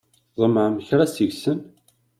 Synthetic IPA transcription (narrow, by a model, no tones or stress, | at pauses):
ðˤəmːəʕməçɾæsəʝsən